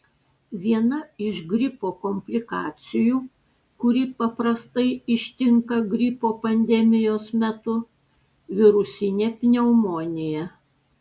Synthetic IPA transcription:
ʋʲiɛnɐɪʃɡɾʲɪpoːkɔmʲpʲlʲɪkɑ̰ːt̪sʲɪjuː | kʊɾʲɪpɐpɾɐst̪ɐɪɪʃʲt̪ʲɪŋkɐɡɾʲɪpoːpɐnʲd̪ʲɛmʲɪjoːsmʲɛt̪ʊ | ʋʲɪɾʊsʲɪnʲeːpʲnʲɛʊmoːnʲɪjɛ

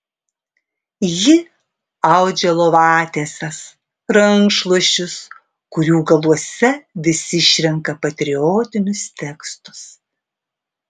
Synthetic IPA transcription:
jɪ | ɐʊd͡ʒʲɛlˠoːʋɑːt̪ʲeːsʲɛs | ɾɐŋkʃlˠuɔʃʲʊs | kʊɾʲuːɡɐlˠuɔsʲɛʋʲɪsʲɪʃʲɾʲɛŋkɐpɐt̪ʲɾʲɪoːt̪ʲɪnʲʊst̪ʲɛkst̪ʊ̥s

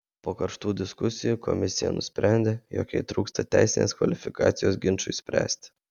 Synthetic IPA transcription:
poːkɐɾʃt̪uːd̪ʲɪskʊsʲɪjuːkʰɔ̰mʲɪsʲɪjɛ̰nʊsʲpʲɾʲæˑnʲd̪ʲeːjo̰ːkʲɛɪt̪ɾuːkst̪ɐt̪ʲæɪsʲɪnʲḛːskʋɐ̰lʲɪfʲɪkɑ̰ːt̪sʲɪjoːsɡʲɪnt͡ʃʊɪsʲpʲɾʲæ̰ːsʲt̪ʲ

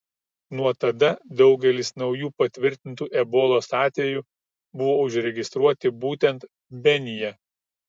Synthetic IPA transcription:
nuɔt̪ɐd̪ɐd̪ɒʊɡʲɛlʲɪsnɒʊjuːpɐt̪ʲʋʲɪɾʲt̪ʲɪnt̪uːʔɛboːlˠoːsɑːt̪ʲʋʲɛju | bʊʋoːʊʒʲɾʲɛɡʲɪst̪ɾuɔt̪ʲɪbuːt̪ʲɛnt̪ | bʲɛnʲɪjɛ

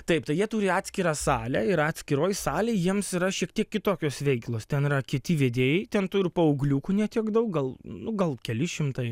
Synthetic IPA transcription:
t̪ɐɪpt̪ɐɪjiɛt̪uːɾʲɪɑːt̪ʲsʲkʲɪɾɑːsɑːlʲɛːɪɾɑːtʲsʲkʲɪɾoːjsɑːlʲeːjiɛmsiɾɐʃʲiɛkt̪ʲiɛkkʲɪt̪oːkʲoːsʋʲɛɪklˠoːst̪ʲɛnɪɾɐkʲɪt̪ʲɪʋʲeːd̪ʲeːjɛɪt̪ʲɛnt̪uːɾʲɪpɐʊɡlʲuːkunʲiɛt̪ʲiɛkd̪ɐʊk̚ɡɐlˠnʊɡɐlˠkʲɛlʲɪʃʲɪmt̪ɐɪ

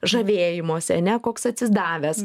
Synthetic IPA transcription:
ʒɐʋʲeːjɪmoːsʲɛɐnʲɛkoːksɐt̪ʲsʲɪzd̪ɑːʋʲɛs

